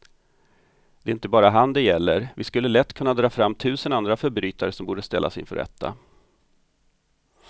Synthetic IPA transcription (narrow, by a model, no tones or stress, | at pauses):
d̪ɛɪnt̪əbɑːɾaɦand̪ɛjɛlːəɾvɪskɵlːəlɛt̪ːkʰɵnːad̪ɾɑːfɾamːt̪ʰʉ̟ːsənand̪ɾafœɾbɾyːt̪aɾəsɔmbuːɖəst̪ɛlːa̰sɪ̰nfœ̰ɾʔɛ̰t̪ʰːa̰